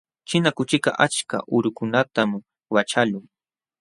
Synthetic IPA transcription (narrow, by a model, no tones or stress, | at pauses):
t͡ʃɪnakʊt͡ʃɪkɑʔat͡ʃka̰ʔʊɾʊkʊnat̪am | wat͡ʃalʊŋ